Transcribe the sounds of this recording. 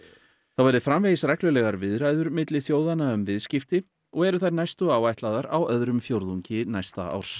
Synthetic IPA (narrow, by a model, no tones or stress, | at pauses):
θawvajɾðɪfɾamvejɪsɾɛjklʏlɛɣaɾvɪðɾajðʏɾmɪt̪lɪθjoːwðanaʏmvɪðscɪft̪ɪ | ɔɣɛɾʏθajɾnajst̪ʏaːwajht̪laːðaɾawœðɾʏmfjowɾðuɲcɪnajst̪a̰a̰wɾ̥s